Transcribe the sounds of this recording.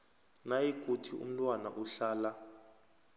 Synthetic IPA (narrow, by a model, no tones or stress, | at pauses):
najikʼutʰiṵm̩tʼwana̰ʔuɬaːla